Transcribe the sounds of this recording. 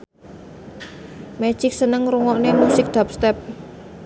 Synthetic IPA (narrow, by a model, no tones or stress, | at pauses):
mɛ̥ʒ̥ɪk̚sənəŋɾuŋɔʔnemusɪk̚d̪̥ap̚st̪ɛp̚